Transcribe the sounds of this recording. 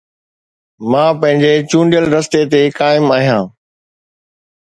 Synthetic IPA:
mãːpɐ̃ɦɪ̃ɲd͡ʑet͡ɕũːɳɖijəlɾɐst̪et̪ekaːɪmaːɦijãː

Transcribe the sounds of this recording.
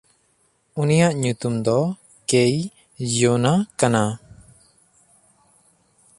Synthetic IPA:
unijaʔɲut̪umd̪ɔ | kej | jonakana

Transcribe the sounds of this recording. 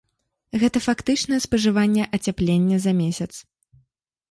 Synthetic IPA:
ɣɛt̪ɐfakt̪ɨt͡ʂnɐjɛspɐʐɨvanʲːɛʔɐt͡sʲaplʲenʲːɛzɐmʲesʲɐt̪s

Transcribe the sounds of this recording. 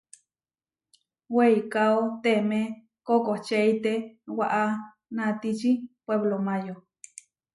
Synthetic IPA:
weikaot̪eme | kokot͡ʃeit̪ewaʔa | nat̪it͡ʃipweβlomãjo

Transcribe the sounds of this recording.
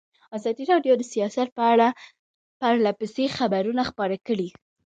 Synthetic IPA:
ɑzɑd̪iɾɑɖjod̪əsijɑsat̪̚pəaɽa | paɾlapəsexabaɾunaxpɑɾakəɽi

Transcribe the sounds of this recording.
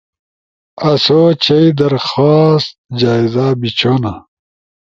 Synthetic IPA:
ɐsot͡ɕɐid̪ɐɾxaːst̪̚d͡ʑaːizabit͡ɕʰoːna

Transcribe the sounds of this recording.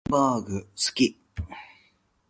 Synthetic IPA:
baːɡɯsɨ̥kʲi

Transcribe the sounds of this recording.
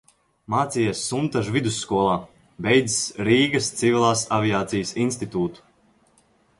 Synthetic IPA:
maːt̪sijesːunt̪aʒvid̪usːkuɔlˠaː | bɛjd̪zisɾiːɡɐst̪sivʲilˠaːsavijaːt̪sijəsinst̪it̪uːt̪u̥

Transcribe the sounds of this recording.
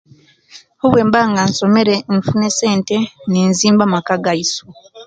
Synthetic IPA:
hoβwe̞ːmbaŋɡanso̞me̞ɾeɱfunese̞ːnte̞neːnziːmbamakaɡajiso

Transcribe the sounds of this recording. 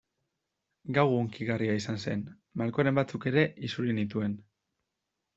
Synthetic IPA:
ɡawɣoŋkiɣariaisanse̞n | maɾko̞aɾe̞mbat͡suke̞ɾe̞ʔisuɾinit̪̬ue̞n

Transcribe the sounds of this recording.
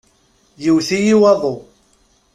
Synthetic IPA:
jəwθijiwɑðˤo

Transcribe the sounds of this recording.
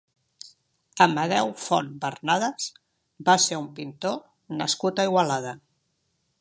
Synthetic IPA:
əməð̞ɛwfɔnbərnaðəs | baseumpint̪o | nə̰skut̪əiɣwalaðə

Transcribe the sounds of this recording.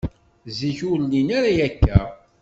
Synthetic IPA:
ziçʊɾlinaɾajækːæ

